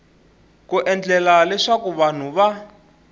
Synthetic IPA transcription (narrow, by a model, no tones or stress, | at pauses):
kuʔɛnd͡ɮɛlalɛʂakuβan̤uβa